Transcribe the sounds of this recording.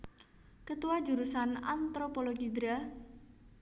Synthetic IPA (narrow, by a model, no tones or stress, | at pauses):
kət̪uwad̥ʒ̥ṳɾusana̰nt̪ɾopoloɡid̪ɾa